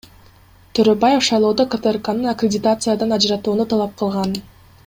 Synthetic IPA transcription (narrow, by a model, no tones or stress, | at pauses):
t̪ʰøɾøbaje̞fʃɑjlˠo̞ːd̪okat̪erkanɯnakɾʲɪdʲɪt̪at̪sɨjad̪ɑnɑd͡ʒɾɑt̪uːnut̪ʰɑlˠɑp̚qʰɯlˠʁɑn